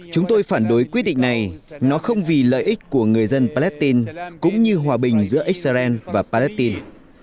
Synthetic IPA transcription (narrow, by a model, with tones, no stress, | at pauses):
t͡ɕʊ˨˦ŋ͡mt̪o˧jfaː˧˩nɗo˨˦jkwi˦˥t̚ɗḭ̈˧˨ŋ̟na˨˩jnɔ˨˦xə˧wŋ͡mvi˨˩lə̰ː˧˨jʔï˦˥k̟̚ku˧˩əŋɨ˨˩əjzə˧npaː˧lɛ˦˥t̪i˧nkʊ̰˧˥ŋ͡mɲɨ˧ɦwaː˨˩ɓï˨˩ŋ̟zɨ̰˧˥əʔi˦˥k̚sa˧zɛ˧nvaː˨˩paː˧lɛ˦˥t̪i˧n